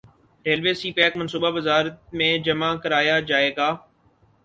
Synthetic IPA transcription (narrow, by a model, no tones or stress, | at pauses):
ɾeːlʋeːsiːpɛːkmənsuːbaʋɪzaːɾət̪̚mẽːd͡ʒəmaːkəɾaːjaːd͡ʒaːeːɡaː